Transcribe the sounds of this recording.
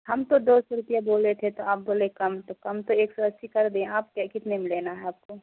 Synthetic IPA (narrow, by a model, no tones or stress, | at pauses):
hɐmt̪od̪oːsɾʊpijaboːlet̪ʰet̪oaːp̚boːlẽkɐmt̪okɐmt̪oeːksɐɾəsikɐɾd̪eẽaːp̚kekɪt̪nemɪlenaɦɛaːp̚ko